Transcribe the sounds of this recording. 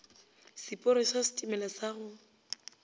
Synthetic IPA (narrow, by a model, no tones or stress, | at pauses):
sɪpʼʊɾɪsasitʼimɛlasaɣʊ